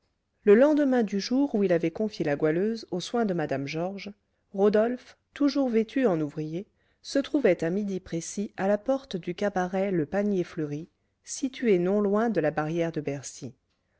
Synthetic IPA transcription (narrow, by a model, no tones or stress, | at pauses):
ləlɑ̃d̪əmɛ̃d̪yʒuʁuilavɛkɔ̃fjelaɡwaløzoswɛ̃d̪əmad̪amʒɔʁʒ | ʁod̪ɔlf | t̪uʒuʁvet̪ʰyɑ̃nuvʁije | sət̪χuvɛt̪amid̪ipχesialapɔʁt̪d̪ykabaʁɛləpanjefləʁi | sit̪ɥenɔ̃lwɛ̃d̪əlabaʁjɛʁd̪əbɛʁsi